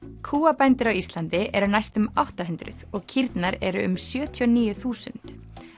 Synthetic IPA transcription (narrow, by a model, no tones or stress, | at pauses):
kʰuːapajnt̪ɪɾawist̪lant̪ɪʔɛɾʏnajst̪ʏmawht̪aɦʏnt̪ɾʏ̰ðɔɣcʰiɾt̪naɾɛɾʏʏ̰msjœːt̪ʰiɔniːjʏθuːsʏ̰nt̪